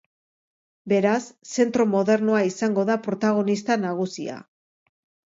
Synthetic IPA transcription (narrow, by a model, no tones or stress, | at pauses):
be̞ɾasːe̞nt̪ɾo̞mo̞ðe̞ɾnoaisaŋɡo̞ðapɾo̞t̪aɣ̞o̞nist̪anaɣ̞usḭa̰